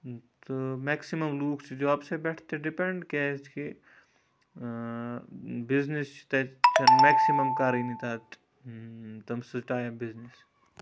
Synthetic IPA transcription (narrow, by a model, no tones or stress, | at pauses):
t̪umeːksimɐmluːkt͡ʃʰd͡ʒoɐbsebɛʈʰt̪eɖipeɳɖket͡ʃki | biznist͡ʃʰt̪et͡ʃɐmeːksimɐmkaːɾinit̪aːt | t̪ɐmsɨʈaːjɐbiznis